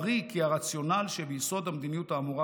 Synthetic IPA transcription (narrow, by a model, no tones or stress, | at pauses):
ʁikiaʁat͡sjo̞nalʃebeiso̞d̪amd̪inijutaːmuʁa